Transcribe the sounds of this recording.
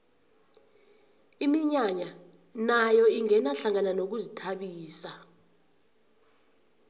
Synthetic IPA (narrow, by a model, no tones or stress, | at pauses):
imiɲaɲa | najɔiŋɛnaɬaŋananok̬uzitʰaɓiːsa